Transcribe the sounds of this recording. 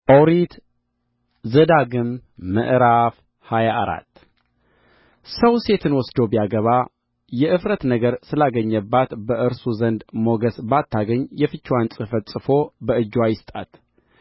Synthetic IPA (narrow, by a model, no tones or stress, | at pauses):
ʔowɾit̪ | zəd̪aɡɨmːə̰ʔɾaf | hajaʔaɾa̰t̪ː | səwse̞t̪ʰɨnwɔsd̪objaɡəβa | jɛʔɨfɾət̪nəɡəɾsɨlaɡəɲːəbːat̪bəʔɨɾsuzənd̪moɡəsbat̪ʰːaɡəɲːjɛfɨt͡ʃːwansʼɨfət̪sʼɨfo̞bəɨd͡ʒːwajɪst̪ʼat̪